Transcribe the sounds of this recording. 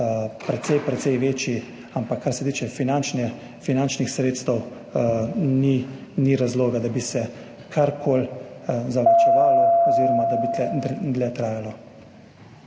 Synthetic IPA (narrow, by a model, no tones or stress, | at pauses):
pɾɛt̪sɛjpɾɛt̪sɛjʋeːt͡ʃji | ampakʰːaɾsɛt̪iːt͡ʃɛfinant͡ʃnɛ | finant͡ʃnixsɾeːt̪st̪əw | niniɾazloːɡad̪abisɛ | kʰaɾkʰoːlzalit͡ʃɛʋaːlɔɔziːɾɔmad̪abiɛd̪lɛt̪ɾaːjalɔ